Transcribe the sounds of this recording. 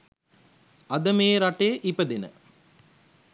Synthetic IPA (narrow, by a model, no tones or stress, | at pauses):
ɐd̪ɐmeːɾaʈeːʔipəd̪enə̰